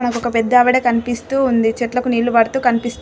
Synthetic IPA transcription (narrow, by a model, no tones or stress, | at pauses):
nɐkɔkɐpɛd̪ːɐːʋɐɽekɐnipist̪uːund̪it͡ʃɛʈlɐkuniːɭlːubɐɽt̪uːkɐnipist̪